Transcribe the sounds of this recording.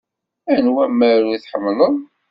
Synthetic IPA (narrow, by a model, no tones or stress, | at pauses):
ænwæmːəɾuiθħəmːləðˤ